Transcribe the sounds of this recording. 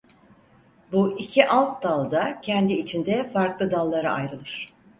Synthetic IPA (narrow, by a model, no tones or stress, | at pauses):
buʔicʰiʔalˠt̪̚d̪alˠd̪acʰɛnd̪iːt͡ʃʰind̪ɛfaɾklˠɯd̪alˠːaɾɯʔajɾɯlˠɯɾ̥